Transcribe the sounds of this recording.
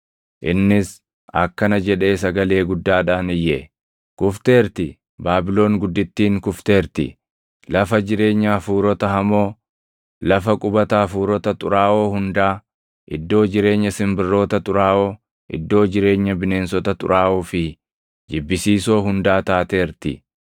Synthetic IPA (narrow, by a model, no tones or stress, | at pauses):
ʔɪnːɪs | ɐ̰kːɐnɐd͡ʒɛᶑe̞ːsɐɡɐle̞ːɡʊd̪ːaːᶑaːnɪjːeː | kʊft̪e̞ːɾt̪ɪ | baːbɪlo̞ːŋɡʊd̪ːɪt̪ːiːŋkʊft̪e̞ːɾt̪ɪ̰ | lɐfɐd͡ʒɪɾe̞ːɲːɐfuːɾɔt̪ɐɦɐmo̞ː | lɐfɐkʼʊbɐt̪ɐːfuːɾɔt̪ɐt̪ʼʊɾaːʔo̞ːhʊnd̪aː | ʔɪd̪ːo̞ːd͡ʒɪɾe̞ːɲːɐsɪmbɪrːo̞ːt̪ɐt̪ʼʊɾaːʔoː | ʔɪ̰d̪ːo̞ːd͡ʒɪɾe̞ːɲːɐbɪne̞ːnsɔt̪ɐt̪ʼʊ̰ɾʔaːʔuːfɪ | d͡ʒɪbːɪsiːso̞ːɦʊnd̪aːt̪aːt̪e̞ːɾt̪ɪ̰